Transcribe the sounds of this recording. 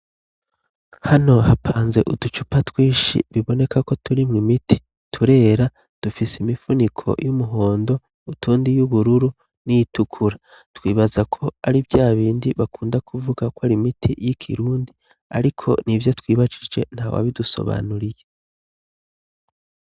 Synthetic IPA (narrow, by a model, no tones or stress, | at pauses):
hano̞hapʰaːnze̞̰ʔudut͡ʃupatwiːʃḭβiβo̞ne̞kako̞tuɾimŋimitʰi̥ | tʰuɾe̞ːɾa | d̥ufisimifunikʰo̞̰jumuɦo̞ːndo̞ | utʰuːndijuβuɾuɾu | nijitukʰuɾa | twiːβazakʰo̞aɾivjaːβiːndiβakʰuːndakʰuvuɡakwaɾimitʰijikʰḭɾuːndi | a̰ɾikʰo̞̰nivjo̞twiːβad͡ʒid͡ʒd͡ʒe̞̰n̥haːwa̰βiduso̞̰βa̰nuɾije